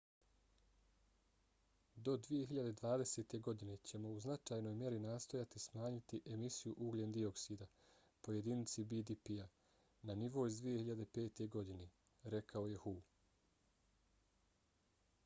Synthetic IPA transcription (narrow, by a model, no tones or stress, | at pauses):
d̪o̞d̪ʋije̞ɦiʎad̪e̞d̪ʋaːd̪e̞seːt̪e̞ɡo̞d̪ine̞t͡ɕe̞mo̞uznat͡ʃaːjno̞jmje̞ɾinaːst̪o̞jat̪ismaːɲit̪iʔe̞misijuʔuɡlʲend̪io̞ksiːd̪a | po̞je̞d̪init̪sibid̪ipia | naniʋo̞izd̪ʋije̞hiʎad̪e̞pe̞ːt̪e̞ɡo̞d̪ine | ɾe̞kʰao̞je̞huː